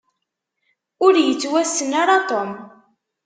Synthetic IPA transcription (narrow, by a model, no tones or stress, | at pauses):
ʊɾjət͡sːwæsːənaɾɑt̪ˤom